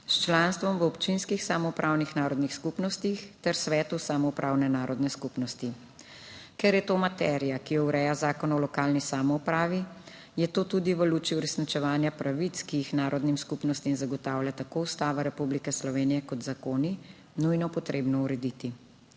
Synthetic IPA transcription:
st͡ʃlaːnst̪ʋɔmʋəɔpt͡ʃinskixsamɔupɾʔaːwnixnaːɾɔd̪nixskupnɔst̪ixt̪ɛɾsʋɛːt̪usamɔupɾʔaːwnɛnaːɾɔd̪nɛskupnɔst̪i | kɛɾjɛt̪oːmat̪ɛɾijakijɔwɾɛːjazaːkɔnɔlɔkaːlnisaːmɔupɾaːʋi | jɛt̪oːt̪ud̪iʋəluːt͡ʃiuɾɛsnit͡ʃɛʋaːnjapɾʔaʋit̪skijixnaːɾɔd̪nimskupnɔst̪imzaɡɔt̪aːwlʲjat̪akoːust̪aːʋaɾɛpublikɛslɔʋeːnijɛkɔt̪zakoːni | nujnɔpɔt̪ɾeːbnɔuɾɛd̪it̪i

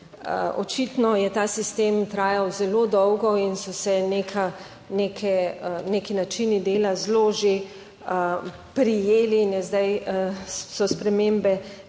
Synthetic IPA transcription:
ɔ̰t͡ʃit̪nɔjɛt̪aːsist̪eːmt̪ɾaːjawzɛloːd̪ɔwɡɔinsɔsɛnekʰa | nekʰɛnekinat͡ʃinid̪eːlazloʒe | pɾijeːliːnjɛzd̪aj | sɔspɾɛmeːmbɛ

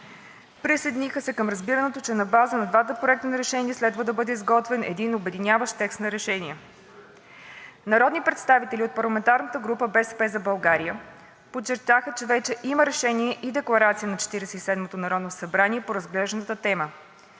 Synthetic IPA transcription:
pɾisəjd̪inixəsɛkəmɾɐzbiɾənɛt̪ot͡ʃɛnɐbazənɐd̪vat̪əpɾoɛk̚t̪ənɐɾɛʃɛniɛslɛd̪vəd̪ɐbɤd̪ɛizɡɔt̪vɛnʔɛ̰d̪inobɛd̪inʲjavəʃt̪t̪ɛkst̪nɐɾɛʃɛniɛ | nɐɾɔd̪nipɾɛt̪st̪avit̪ɛlʲiot̪̚pɐɾlˠɐmɛnt̪aɾnət̪əɡɾupəbɛsɛ̥pɛzɐbɐlˠɡaɾiə | pott͡ʃːɛɾ̚t̪axət͡ʃɛvɛt͡ʃɛʔiməɾɛʃɛniɛʔid̪ɛklˠɐɾat̪sijənɐt͡ʃɛ̥t̪iɾɛsɛisɛd̪mot̪onɐɾɔd̪nosɐbɾaniɛpoɾɐzɡlɛʒd̪ənət̪ət̪ɛmə

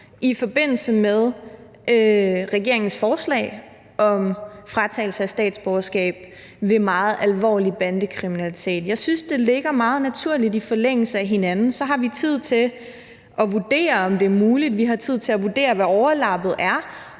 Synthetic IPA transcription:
ʔifɒ̽b̥e̝n̰l̩səmeðˠ | øʁɛɡ̥e̝ɐe̝ŋn̩sfɒːslɛ̰ɪ | ʔɒ̽mfʁɑ̈t͡sʰɛ̰ːl̩səæsd̥ɛ̰ːd̥sb̥ɒʊɐsɡ̥ɛ̰ːb̥̚ | ʋe̝mɑ̈ːð̞̩ˠʔælʋɒ̰ːlib̥ænd̥əkʰʁiminælit͡sʰe̝̰ːd̥jɑ̈ɪsynsd̥e̝le̝ɡ̥ɐmɑ̈ːð̞̩ˠnæt͡sʰuɐ̰lid̥ifɒ̽leŋ̰l̩səæɦe̝nænn̩sɒ̽ɦɑ̈ʋit͡sʰið̞̰ˠt͡sʰe̝ | ʔɒ̽ʋud̥e̝̰ːɐɒ̽md̥e̝æɐmuːlid̥ʋiɦɑ̈t͡sʰið̞̰ˠt͡sʰe̝læʋud̥e̝̰ːɐʋæɒʊɐlɑ̈b̥ð̞̩ˠæɐ

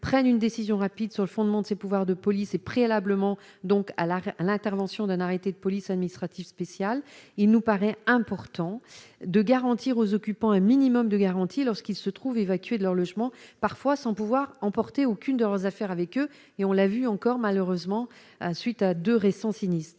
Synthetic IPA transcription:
pχɛnynd̪esizjɔ̃ʁapid̪syʁləfɔ̃d̪mɑ̃d̪əsepuvwaʁd̪əpɔlisepχealabləmɑ̃ | d̪ɔ̃kalalɛ̃t̪ɛʁvɑ̃sjɔ̃d̪ɛ̃naʁet̪ed̪əpɔlisad̪minist̪χat̪ifspesjalilnupaʁɛɛ̃pɔʁt̪ɑ̃d̪əɡaʁɑ̃t̪ʰiʁozɔkʲypɑ̃ɛ̃minimɔmd̪əɡaʁɑ̃t̪ʰilɔʁskilsət̪χuvevakʲɥed̪əlœʁlɔʒmɑ̃paʁfwasɑ̃puvwaʁɑ̃pɔʁt̪eokʲynd̪əlœʁzafɛʁavɛkø | eɔ̃lavyɑ̃kɔʁmaløʁøzmɑ̃ | sɥit̪ad̪øʁesɑ̃sinist̪χ

